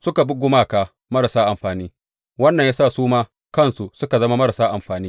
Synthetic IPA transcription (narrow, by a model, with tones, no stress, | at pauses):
sʊ˦ka˨bʊ˦ɡʷʊ˦maː˦˨kaː˨ | mɐ˦ɾa˨saː˦ʔa˨mɸaː˨niː˦ | wɐ˦nːɐ˨ɲjaː˦saː˦˨suː˦maː˦ | kɐ˦nsu˨sʊ˦ka˨zɐ˦ma˦mɐ˦ɾa˨saː˦ʔa˨mɸaː˨niː˦